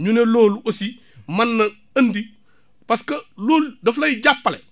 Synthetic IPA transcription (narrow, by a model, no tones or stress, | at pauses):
ɲuneloːluʔosi | manːɐ | ɐndi | paskɐloːldɐflajiɟapːalḛ